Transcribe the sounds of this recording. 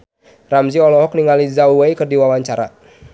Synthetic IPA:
ramziɔlɔɦɔk̚niŋalizauwajkərdiwawaɲt͡ʃaɾa̰

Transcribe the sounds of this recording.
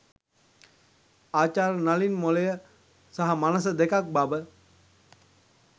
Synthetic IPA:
aːt͡ʃaːɾnalinmolejə | saɦamanəsəd̪ekak̚babə

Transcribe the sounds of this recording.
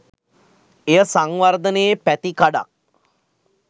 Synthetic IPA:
ejəsaŋʋard̪əneːpæt̪ikaɖa̰k̚

